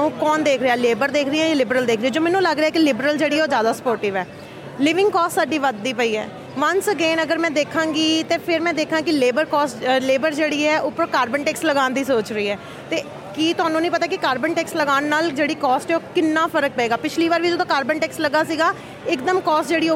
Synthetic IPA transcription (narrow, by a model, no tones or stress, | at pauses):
kɔːnd̪eːkʰɾeaːleːbəɾd̪eːkʰɾɪãjːlɪbɾəld̪eːkʰɾeːɛːd͡ʒoːmɛːnũːləɡɾeaːkɪlɪbɾəld͡ʒeːɽiːɛːoːzjaːd̪aːsə̥poːɾʈɪːʋɛː | lɪʋɪ̃ŋɡkɔːssaːɖiːʋəd̪ːiːpəiːɛ̰ː | ʋənsəɡeːnəɡəɾmɛ̃ːd̪eːkʰãːŋɡiːt̪eːpʰɪɾmɛ̃ːd̪eːkʰãːkɪleːbəɾkɔːsleːbəɾd͡ʒeːɽiːɛːʔʊpːəɾkaːɾbənʈɛːksləɡaːnd̪iːsoːt͡ʃɾəiːɛː | t̪eː | kiːt̪ʊaːnũːnəĩːpət̪aːkɪkaːɾbəɳʈɛːksləɡaːnːaːld͡ʒeːɽiːkɔːsʈːoːkɪnːãːpʰəɾək̚pəeːɡaːpɪt͡ʃʰliːʋaːɾʋiːd͡ʒəd̪õːkaːɾbənʈɛːksləɡaːsiːɡaː | ɪkd̪əmkɔːsʈd͡ʒeːɽiː